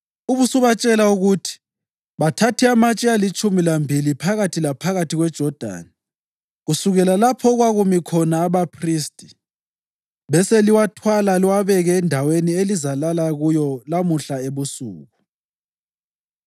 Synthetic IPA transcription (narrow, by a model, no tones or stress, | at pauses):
uβusuβat͡ʃʼɛlauɣutʰi̥ | βatʰatʰiamat͡ʃʼɛalit͡ʃʼumilambʱilipʰaɣatʰilapʰaɣatʰiɣwɛd̥ʒ̥ʱɔd̥ʱa̰ni | ɣusuɣɛlalapʰɔɣwaɣumikʰɔnaːβapʰristʼi̥ | βɛseliwatʰwalaliwaβɛɣɛːndʱawenielizalalaɣujɔlamuɬaeβusṵːɣu